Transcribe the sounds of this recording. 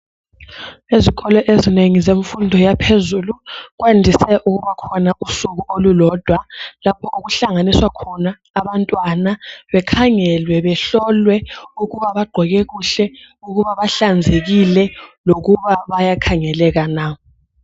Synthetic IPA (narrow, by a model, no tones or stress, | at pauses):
eziɣɔlɔʔezineŋizeɱfundʱɔjapʰezuluɣwandʱisɛʔuɣuβakʰɔnaʔusuɣuʔolulɔd̥ʱwalapʰɔʔuɣuɬaŋaniswakʰɔnaːβantʼwanaβɛkʰaŋɛlwɛβɛɬɔlwɛuɣuβaβaɡ͡ǃʱɔɣɛɣuɬɛ | uɣuβaβaɬand͡zʱeɣilɛloɣuβaβajakʰaŋɛlɛɣanaːɔ